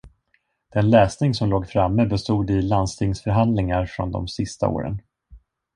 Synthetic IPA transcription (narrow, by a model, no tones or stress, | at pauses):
d̪̥ɛnlɛːsnɪŋsɔmloːɡfɾamːəbɛst̪uːd̪ɪland̪st̪ʰɪŋsfœɾɦand̪lɪŋaɾfɾɔ̰nd̪ɔ̰msɪst̪a̰o̰ːɾə̰n